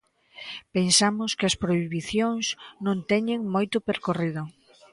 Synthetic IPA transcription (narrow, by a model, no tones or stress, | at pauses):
pensamʊskɪɐspɾoiβiθjoŋsnõnt̪ɛɲɪŋmojt̪ʊpeɾkoriðʊ